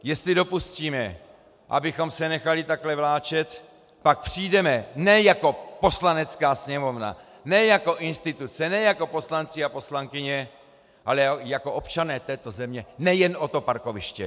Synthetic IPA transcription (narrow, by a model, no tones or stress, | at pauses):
jɛst̪lɪdo̞pusciːmɛ | ʔa̰bɪxo̞msɛnɛxalɪt̪aklɛvlaːt͡ʃɛt̪ | pak̚pr̥ijdɛmɛnɛjako̞po̞slanɛt͡skaːsɲɛmo̞vna̰ | nɛjako̞ʔɪnst̪ɪt̪ut͡sɛnɛjako̞po̞slant͡sɪapo̞slaŋkɪɲɛ | ʔalɛjako̞ʔo̞pt͡ʃanɛːt̪ɛːt̪o̞zɛmɲɛnɛjɛno̞t̪o̞paɾko̞vɪʃcɛ̰